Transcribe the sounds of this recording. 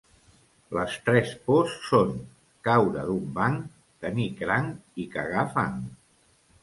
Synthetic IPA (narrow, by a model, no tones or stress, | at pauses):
ləst̪ɾɛsposːon | kawɾəðumbaŋ | t̪ənikɾaŋikəɣafaŋ